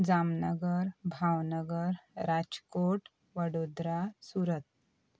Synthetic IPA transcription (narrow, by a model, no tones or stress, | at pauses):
d͡zamnəɡəɾbʱawnəɡəɾɾad͡zkoʈ | ʋəɽod̪ɾasuɾət̪̚